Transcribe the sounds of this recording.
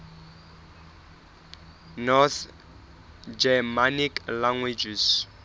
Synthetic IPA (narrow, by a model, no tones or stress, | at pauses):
nɔθ | d͡ʒɛmaniklaŋwid͡ʒis